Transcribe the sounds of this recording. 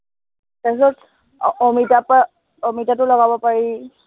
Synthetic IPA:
taksɔt | ɔmitapa | ɔmitatʊlɔɡabɔpaɹi

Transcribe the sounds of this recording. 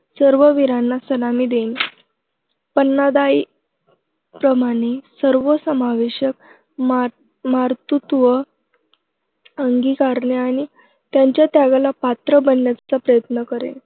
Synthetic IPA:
səɾʋəʋiɾanːasəlamiːd̪en | pənːad̪ai | pɾəmaɽ̃esəɾʋəsəmaʋeɕək̚ | m | maɾt̪ut̪ʋə | əŋɡikaɾɳeaɽ̃i | t̪jaɲt͡ɕjat̪jaɡalapat̪ɾəbənjat̪t͡sapɾəjət̪nəkəɾḛn

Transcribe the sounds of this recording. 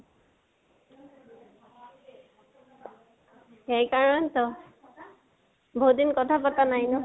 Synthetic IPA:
xejkaɹɔntɔ | bʱodinkɔtʰapatanajnɔ

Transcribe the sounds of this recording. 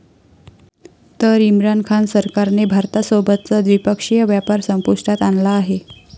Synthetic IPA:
t̪əɾimɾankʰansəɾkaɾnebʱaɾt̪asobət̪̚t͡səd̪ʋipəkʂijəʋjapaɾsəmpuʂʈat̪anlaːɦe

